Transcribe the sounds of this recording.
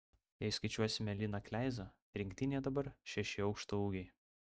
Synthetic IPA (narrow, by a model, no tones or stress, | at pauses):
jɛɪskɐɪt͡ʃʲuɔsʲɪmʲɛlʲɪnɐklʲæɪzɐ | ɾʲɪŋkʲt̪ʲɪnʲeːd̪ɐbɐɾʃʲɛʃʲɪɒʊkʃt̪ouːɡʲɛɪ